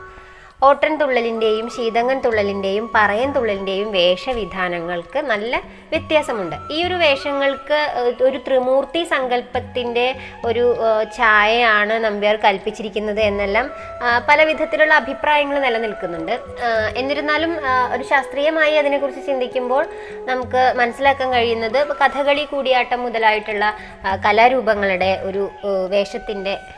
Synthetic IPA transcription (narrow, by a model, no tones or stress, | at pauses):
o̞ːʈːɐnt̪uɭːɐlinde̞jumɕiːd̪ɐŋːɐnt̪uɭːɐlinde̞jumpɐrɐjɐnt̪uɭːɐlinde̞jumʋe̞ːʂɐʋid̪ʱaːnɐŋːɐɭkɨnɐlːɐ | ʋjet̪jaːsɐmuɳɖɨiːo̞ɾuʋe̞ːʂɐŋːɐɭkɨo̞ɾut̪rimuːrt̪isɐŋɡɐlpɐt̪ːinde̞ | o̞ɾut͡ɕaːjɐaːɳɨnɐmbjarkɐlpit͡ɕːiɾikʲːunːɐðɨe̞nːe̞lːaːm | pɐlɐʋid̪ʱɐt̪ːiluɭːɐːbʱipraːjɐŋːɐɭnɐlːɐnilkunːuɳɖɨ | e̞nːiɾunːaːlumo̞ɾuɕaːst̪riːjɐmaːjiɐðine̞kːurt͡ɕːɨt͡ɕind̪ʱikʲːumbo̞ːɭ | nɐmukːɨmɐnɐsːilaːkːaːnkɐɻijunːɐðɨkɐd̪ʰʱɐɣɐɭikuːɽijaːʈːɐmːuðɐlaːjiʈːuɭːɐ | kɐlaɾuːbɐŋːɐɭiɽe̞ʔo̞ɾuʋe̞ːʂɐt̪ːinde̞